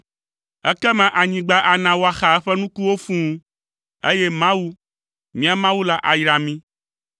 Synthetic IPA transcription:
ɛ˦kɛ˦mɛ̃˨ʔa˨ɲĩ˨ɡ͡ba˦ʔa˨nã˨wo˦a˨xa˨ɛ˦ɸɛ˦nũ˦ku˦wo˦fũ˦ | e˦jɛ˦mã˦wu˦ | mĩ˦a˨mã˦wu˦la˦˨ʔa˨jɾa˨mĩ˦

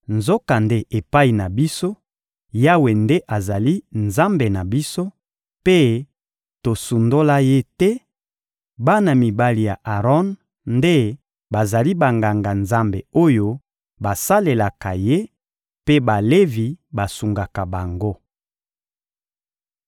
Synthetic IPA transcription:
nzo˦ka˨nde˦ʔe˨pa˦i˨na˨bi˦so˦ | ja˦we˨nde˦ʔa˨za˨li˦nza˦mbe˨na˨bi˦so˦ | pe˦ | to˨su˨ndo˦la˦je˦tɛ˦ | ba˦na˨mi˨ba˦li˨ja̰˨ʔa˨ʁɔ˦n | nde˦ | ba˨za˨li˦ba˨ŋɡa˨ŋɡa˨nza˦mbe˨o˦jo˦ | ba˨sa˦le˨la˨ka˨je˦ | pe˦ba˨le˦vi˨ba˨su˨ŋɡa˨ka˨ba˨ŋɡo˦

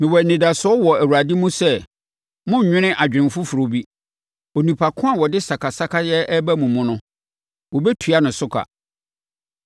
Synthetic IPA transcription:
mɪ̃˨wɔ˨nĩ˨da˨sʊ˦ɔ˦wɔ˨æ˨wu˨a˨dɪ̃˦mũ˦sɛ˦˨ | mʊ̃˦˨ɲᶣɪ̃˦nɪ̃˦ʔa˨d͡ʑᶣɪ̃˨mfʊ˦fu˨ɾo˨bi˦ | o˨nũ˨pʰa˨kʰʊ̃˦a˨wɔ˨dɪ˦sa˨kʰa˨sa˦kʰa˦jɛ˦ɛ˦bæ˦mũ˨mʊ̃˦nʊ̃˦ | wɔ˨bɛ˦tʰu˨a˦nʊ̃˨sʊ˦kʰa̰˨

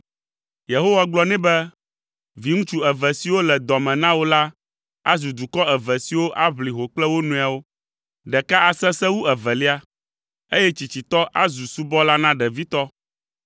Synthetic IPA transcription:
je˨ɦo˦wa˦ɡ͡blɔ˦nɛ̃˦bɛ˦ | vi˨ŋũ˦t͡ʃu˦ɛ˨vɛ˨si˨wo˦lɛ˨d̪ɔ˨mɛ̃˨nã˦wo˦la˦ | a˦zu˨d̪u˨kɔ˦ɛ˨vɛ˨si˨wo˦ʔa˦βli˨ɦo˨k͡plɛ˦wo˦nũ˨a˨wo˦ | ɖɛ˨ka˦a˨sɛ˦sɛ˦wu˦ɛ˨vɛ˨li˦a˦ | e˦jɛ˦t͡ɕi˨t͡ɕi˨t̪ɔ˦ʔa˦zu˨su˦bɔ˦la˦nã˦ɖɛ˨vi˦t̪ɔ˦

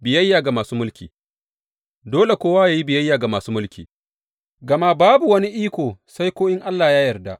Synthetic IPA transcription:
bɪ˨jɐ˦jːaː˨ɡa˨maː˨suː˦mʊ˦lkʲiː˨ | doː˦le˨kʷoː˦waː˦jaː˨ji˦bɪ˨jɐ˦jːaː˨ɡa˨maː˨suː˦mʊ˦lkʲiː˨ | ɡɐ˨ma˦baː˦bu˨wɐ˦ni˦ʔiː˦kʷoː˨sa˦jkʷoː˦ʔɪ˦ŋʔa˦lːaː˨jaː˦jɐ˨rda˦ʔ

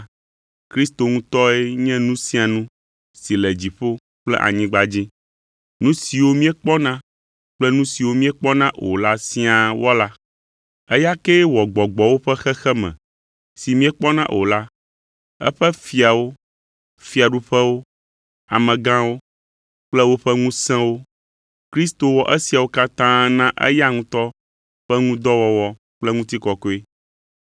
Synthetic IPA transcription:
kɾi˦st̪o˨ŋũ˦t̪ɔ˦ɛ˦ɲɛ̃˦nũ˦sĩ˦a˨nũ˦ | si˨lɛ˨d͡ʑi˨ɸo˦ | k͡plɛ̰˦ʔa̰˨ɲĩ˦ɡ͡ba˦d͡ʑi˦ | nũ˦si˨wo˦mĩ˦ɛ˦k͡pɔ˦nã˦ | k͡plɛ˦nũ˦si˨wo˦mĩ˦ɛ˦k͡pɔ˦nã˦ʔo̰˨la˦si˦a˨wɔ˦la˦ | ɛ˦ja˦kɛ˦wɔ˨ɡ͡bɔ˨ɡ͡bɔ˨wo˦ɸɛ˦xɛ˦xɛ˦mɛ̰̃˨ | si˨mĩ˦ɛ˦k͡pɔ˦nã˦ʔo̰˨la˦ | ɛ̰˦ɸɛ˦fi˨a˨wo˦ | fi˨a˨ɖu˦ɸɛ˦wo˦ | a̰˨mɛ̃˨ɡã˦wo˦ | k͡plɛ˦wo˦ɸɛ˦ŋũ˦sɛ̃˦wo˦ | kɾi˦st̪o˨wɔ˨ʔɛ˦si˨a˨wo˦ka˦t̪ã˦nã˦ʔɛ̰˦ja˦ŋũ˦t̪ɔ˦ | ɸɛ˦ŋũ˦d̪ɔ˦wɔ˦wɔ˦ | k͡plɛ˦ŋũ˦t̪i˦kɔ˨ko˦e˦

